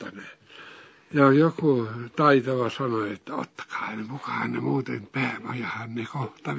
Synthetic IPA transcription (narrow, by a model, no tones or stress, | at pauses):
ɑne | jɑjokut̪ɑit̪oʋɑsɑnoet̪ːæo̰t̪ːɑ̥kɑ̥ːhɑnekukɑhɑnnemuːt̪ḛmpæːmɑjɑhɑnnekoht̪ɑ